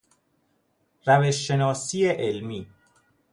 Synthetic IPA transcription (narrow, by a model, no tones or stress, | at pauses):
ɾæveʃːe̞nɒːsiːeʔelmiː